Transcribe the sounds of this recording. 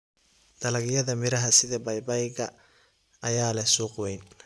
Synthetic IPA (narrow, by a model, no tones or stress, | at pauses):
d̪̥ɐlɐɣjɐðɐmɪɾɐɦɐsɪðɐbɐjbɐjɣɐ | ʔɐjaːlɛsuːqwɛjn